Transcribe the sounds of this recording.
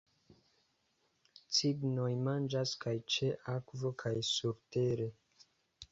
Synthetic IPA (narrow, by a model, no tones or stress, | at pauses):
t͡siɡno̞jmand͡ʒaskajt͡ʃeʔakvo̞kʰajsuɾte̞ɾe̞